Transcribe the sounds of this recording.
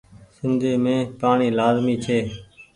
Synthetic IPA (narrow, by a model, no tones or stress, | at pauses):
sɪnd̪ʱeːmẽːpaːɳiːlaːzmiːt͡ʃʰeː